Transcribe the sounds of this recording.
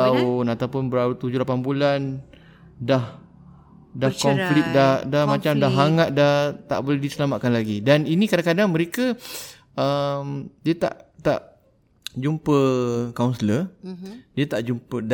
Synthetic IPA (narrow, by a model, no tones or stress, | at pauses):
aʊnat̪awpʊnbəɾaut̪ud͡ʒʊhlapanbulan | dah | dahkɔnflɪk̚dahdahmat͡ʃamdaɦɦaŋaʔ̪̚daht̪a̰ʔbolɛhdisəlamat̪̚kanlaɡidaninĩkadaŋkadaŋmə̃ɾekə | əmdiat̪a̰ʔt̪a̰ʔ | d͡ʒumpəkawnsələ | diət̪aʔd͡ʒumpəd